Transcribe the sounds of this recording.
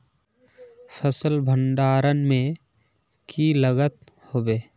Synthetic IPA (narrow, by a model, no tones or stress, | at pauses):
fʰəsəlbʱəɳɖaːɾənmẽ | kʰiləɡət̪̚hoːbeː